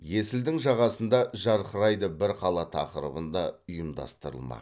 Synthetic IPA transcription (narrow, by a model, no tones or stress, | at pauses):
je̞sɪld̪ɪŋʒɑʁɑsənd̪ɑʒɑɾqəɾɑjd̪əbɪɾqʰɑlˠɑt̪ʰɑ̰qəɾə̰bənd̪ɑʊjəmd̪ɑ̰st̪əɾə̰lˠmɑ̰